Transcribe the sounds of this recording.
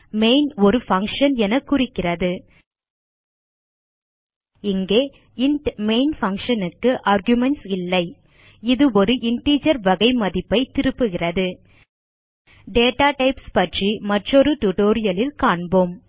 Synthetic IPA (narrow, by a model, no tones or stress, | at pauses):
meɪnɔɾɯfɐŋkʂɐnɛnɐkːʊrɪkːɪrɐðɯ | ɪŋɡeː | ɪɳʈmeɪnfɐŋkʂɐnɯkːɯʔaːɾɡjʊmɛnʈsɪlːɐɪ | ɪðɯɔɾɯʔɪɳʈiːd͡ʒɐɾʋɐɣɐɪmɐðɪpːɐɪt̪ɪɾɯpːɯɣɪrɐðɯ | ɖeːʈaːʈɐɪpspɐʈrimɐʈrɔɾɯʈuʈoːɾɪjɐlɪlkaːɳboːm